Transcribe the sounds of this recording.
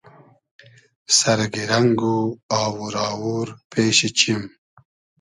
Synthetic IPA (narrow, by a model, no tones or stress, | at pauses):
saɾɡiɾaŋɡuaːwuɾɑːwuɾpeːɕit͡ʃim